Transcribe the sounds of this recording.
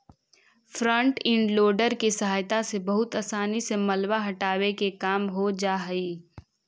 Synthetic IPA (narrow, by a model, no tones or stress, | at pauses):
fɾə̃ɳʈɪ̃ɳɖloːɖəɾkisɐɦaːjt̪asebɐɦʊt̪aːsaːnisemɐlwaɦɐʈaːwekekaːmɦod͡ʒaːɦiː